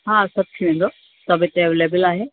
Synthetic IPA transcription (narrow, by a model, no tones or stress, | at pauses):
ɦaːsɐb̚t̪ʰiʋẽːn̆d̪o | sɐbʱɪt̪eʋleːbɪlaːɦeː